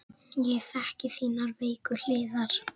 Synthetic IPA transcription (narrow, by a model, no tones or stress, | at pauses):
jɛθɛhcɪθiːnaɾveːjkʏl̥ɪːðaɾ̥